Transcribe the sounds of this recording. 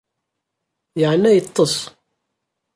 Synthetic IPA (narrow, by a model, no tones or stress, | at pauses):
jaʕnːæjət̪ˤːəsˤ